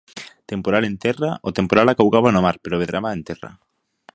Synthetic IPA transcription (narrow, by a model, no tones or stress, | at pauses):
t̪empoɾalent̪ɛraot̪empoɾalakawɣaβanomaɾpeɾoβeðɾaβaẽnt̪ɛra̰